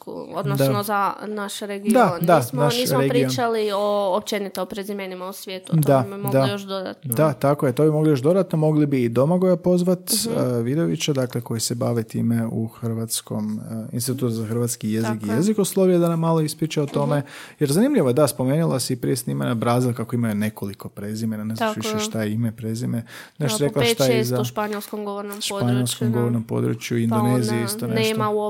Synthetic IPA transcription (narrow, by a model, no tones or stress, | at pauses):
od̪nd̪anozanaʃɾeɡid̪ad̪anaʃniisɾeɡɾionalioːpt͡ʃenit̪eopɾezimenimausʋʲjeːt̪ud̪ammod̪aijoʃd̪od̪a̰t̪nod̪at̪ako̞jet̪o̞bimo̞ɡlijo̞ʃd̪o̞d̪at̪no̞mo̞ɡlibiːd̪o̞maɡojapo̞zʋat̪ːʋid̪oʋḭt͡ɕed̪akleko̞jise̞baʋet̪ḭːmeṵxɾ̩ʋat̪sko̞̰mḭnsit̪ut̪uzaxr̩ʋat̪skijezikijezikoslˠoʋijed̪anamːaːlˠo̞ispɾit͡ʃeot̪o̞me̞jeɾzanimʎiʋod̪aspo̞menilˠasiipɾijesnimanabɾaːzilˠkakoimajune̞ko̞liko̞pɾe̞zimenanezaʋiʃeʃtt̪ajeimepɾezimenaʃɾeklˠaʃt̪ajeizaʃpaɲelˠskomɡoʋonoʃpaɲelˠskomɡo̞ʋoɾnompo̰d̪ɾṵt͡ʃjuind̪onezijeist̪oneʃ